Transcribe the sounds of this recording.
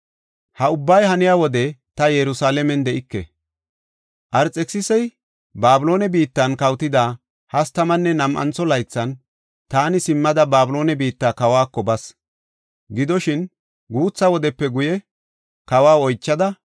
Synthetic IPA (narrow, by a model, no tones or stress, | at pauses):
hɐʊbːɐjhɐnɪjaːwɔd̪ɛt̪ɐjɛɾʊsaːlɛmɛnd̪ɛʔɪkːɛ̰ | ʔɐɾt͡sʼɛksɪsɛj | baːbʊlo̞ːnɛbiːt̪ːɐnkɐwt̪ɪd̪aː | hɐst̪ɐmɐnːɛnɐmʔɐ̰nt͡sːɔlɐjt͡sːɐn | t̪aːnɪsɪmːɐd̪ɐbaːbʊlo̞ːnɛbiːt̪ːaːkɐwaːkːɔbɐs | ɡɪd̪ɔʃɪn | ɡuːt͡sːɐwɔd̪ɛpːɛɡʊjɛ | kɐwaːɔjt͡ʃːɐd̪ɐ